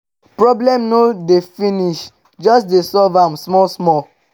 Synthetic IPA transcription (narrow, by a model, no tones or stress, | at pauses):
pɹɔblɛ̃mnodefĩniʃ | d͡ʒɔsdesɔlvãmsmɔsmɔ